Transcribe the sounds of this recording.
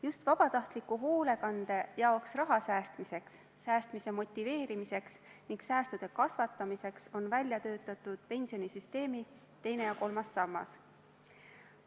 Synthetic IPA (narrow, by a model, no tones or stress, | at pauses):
just̪vɑb̥ɑt̪ɑht̪likːuɦo̞ːle̞kɑnd̪̥e̞jɑo̞ksrɑɦɑsæːst̪mise̞ksː | æːst̪mise̞mo̞t̪ʲːive̞ːɾimise̞ksniŋɡsæːst̪ud̪̥e̞kɑsvɑt̪ːˑɑmise̞kso̞nvælʲjɑt̪ø̞ːt̪ːˑɑt̪ːud̪̥̚pe̞nʲsio̞nisyst̪e̞ːmi | t̪e̞jne̞jɑko̞lmɑsːɑmːɑ̰s